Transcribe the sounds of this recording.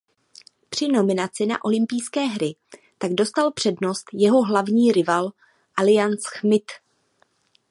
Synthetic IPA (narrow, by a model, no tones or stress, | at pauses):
pr̥ɪno̞mɪnat͡sɪna̰ʔo̞lɪmpijskɛːɦɾɪ | t̪aɡdo̞st̪alpr̝̥ɛdno̞st̪jɛɦo̞ɦlavɲiːɾɪval | ʔalɪjansxmɪt̪